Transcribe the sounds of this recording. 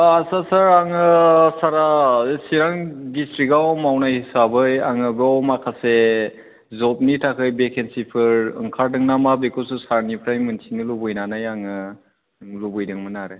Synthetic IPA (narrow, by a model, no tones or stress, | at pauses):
asasaɾaŋɯsaɾasiɾaŋdistɾikawmawnajhisabɯjaŋɯbeawmakʰase | zɔp̚nitʰakʰɯjbekʰensipʰɯɾɯ̰ŋkʰaɾdɯŋnamabekɔlsusaɾnipʰɾajmɯntʰinɯlubɯjnanajaŋɯ | lubɯjdɯŋmɯnaɾɯ